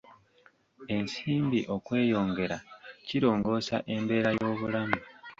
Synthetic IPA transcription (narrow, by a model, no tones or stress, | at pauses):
e̞nsiːmbiʔo̞kwe̞ːjo̞ːŋɡe̞ɾaciɾo̞ːŋɡo̞ːsa̰ʔe̞mbe̞ːɾajo̞ːβulamu